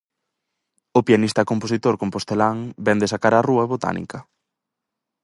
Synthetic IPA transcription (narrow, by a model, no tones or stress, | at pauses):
ʊpianist̪ɐkomposit̪oɾkompost̪elaŋbɛnd̪esakaɾaruɐβot̪a̰nḭkɐ